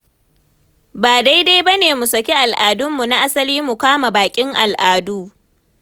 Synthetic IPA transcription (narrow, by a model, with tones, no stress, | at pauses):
baː˨da˦jda˦jbɐ˦neː˨mu˨sɐ˨kʲe˦ʔa˨lʔaː˨dʊ˦mːu˨na˦ʔa˦sɐ˦liː˦mu˨kʷaː˦ma˨baː˨kʲʼɪ˦ŋʔa˨lʔaː˨duː˦